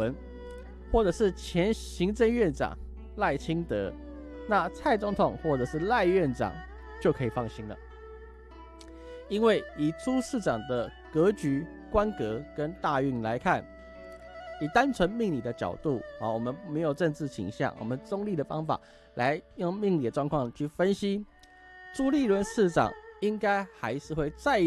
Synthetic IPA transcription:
ə˧˦n | xwɔ˥˩ʈ͡ʂɤ˨˩ʂɻ̩˥˩t͡ɕʰjɛ˧˥nɕi˧˥ŋt͡sə˥˧ŋɥɛ˥˨˩nʈ͡ʂɑ̰˨˩ŋ | la˥˩ɪt͡ɕʰi˥ŋt̪ɤ˧˥ | na˥˧t͡sʰa˥˩ɪt͡sʊ˧˥ŋt̪ʰʊ˨˩ŋxwɔ˥˩ʈ͡ʂɤ˨˩ʂɻ̩˥˧la˥˧ɪɥɛ˥˨˩nʈ͡ʂɑ̰˨˩ŋ | t͡ɕjo˥˩ʊkʰɤ˧˥i˨˩fɑ˥˩ŋɕi˥nlə̰˨ | i˥nwe˥˩ɪi˨˩t͡sʰu˥ʂɻ̩˥˩ʈ͡ʂɑ˨˩ŋd̪ə˦ | kɤ˧˥t͡ɕy˧˥ | kwa˦˥nkɤ˧˥kə˦nt̪a˥˧y˥˩nla˧˦ɪkʰa˥˩n | i˨˩t̪a˦˥nt͡sʰwə˧˦nmi˥˧ŋli˨˩d̪ə˦t͡ɕjɑ̰˨˩ʊt̪u˥˩wɔ˨˩mə˦nme˧˥ɪjo˨˩ʈ͡ʂə˥˧nt͡sɻ̩˥˩t͡ɕʰḭ˨˩ŋɕjɑ̰˥˩ŋwʔɔ̰˨˩mə˦nt͡sʊ˥ŋli˥˩də˩fɑ˥ŋfa̰˨˩ | la˧˦ɪjo˥˧ŋmi˥˧ŋli˨˩də˩ʈ͡ʂwɑ˥˧ŋkʰwɑ˥˨ŋt͡ɕʰy˥˩fə˦nɕi˦ | ʈ͡ʂu˥li˥˩lwə˧˥nʂɹ̩˥˩ʈ͡ʂɑ̰˨˩ŋi˦˥ŋka˥ɪxa˧˥ɪʂɻ̩˥˧xwe˥˧ɪt͡sa˥˩ɪ

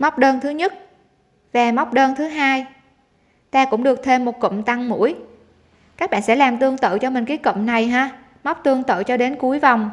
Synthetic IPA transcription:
ma˦˥wk͡p̚ɗəː˧nt̪ʰɨ˨˦ɲə˦˥t̚ | vaː˨˩ma˦˥k͡p̚ɗəː˧nt̪ʰɨ˨˦ɦaː˧j | t̪aː˧kʊ̰˧˥ŋ͡mɗɨ˨˩ək̚t̪ʰe˧mːo˨˩t̚kə̰˧˨ŋ͡mt̪a˧ŋmṵ˧˥əj | kaː˦˥k̚ɓa̰ː˧˨nsɛ̰˧˥laː˨˩mt̪ɨ˧əŋt̪ə̰ː˧˨t͡ɕɔ˧mï˨˩ŋ̟k̬a˨˦jkə̰˧˨mna˨˩jɦaː˧ | ma˦˥k͡p̚t̪ɨ˧əŋt̪ə̰ː˧˨t͡ɕɔ˧ɗe˨˦nku˨˦əjva˨˩wŋ͡m

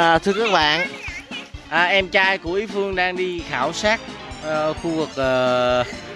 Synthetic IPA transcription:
t̪ʰɨ˧əkaː˦˥k̚ɓa̰ː˧˨n | ʔəː˨˩ʔɛ˧mt͡ɕaː˧jku˧˩əʔi˨˦fɨ˧əŋɗaː˧ŋɗi˧xaː˧˩wsaː˦˥t̚ | ʔə˨˩˧xu˧vɨ˨˩k̚ʔəː˨˩

